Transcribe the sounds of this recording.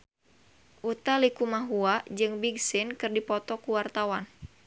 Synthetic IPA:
ʔut̪alikumaɦuad͡ʒɨŋbiɡsɪnkɨrdipɔt̪ɔkuwart̪awan

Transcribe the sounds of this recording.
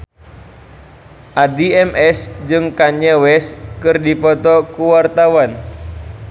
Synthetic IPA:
ʔadiɛmʔɛsd͡ʒɨŋkaɲɛwɛskɨrdipɔt̪ɔkuwart̪awan

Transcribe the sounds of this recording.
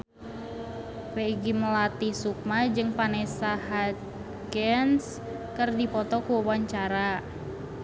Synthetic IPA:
peɡiməlat̪isuk̚mad͡ʒɨŋpanɛsaɦat̪̚ | ɡɛns | kərdipɔt̪ɔkuwawaɲt͡ʃaɾa

